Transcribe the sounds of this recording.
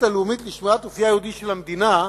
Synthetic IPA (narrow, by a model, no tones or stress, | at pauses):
t̪alumit̪liʃmiat̪ofjaːjehud̪iʃelamd̪ina